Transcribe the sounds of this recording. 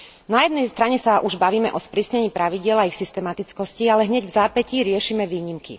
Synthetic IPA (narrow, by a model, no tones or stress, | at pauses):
najɛd̪nɛjst̪ɾaɲɛsaʔuʒbaʋiːmɛʔɔspɾiːsɲɛɲiːpɾaʋiɟɪɛlaixsist̪ɛmat̪it͡skɔscialɛɦɲɛɟvzaːpɛciɾɪɛʃimɛʋiːɲimkḭ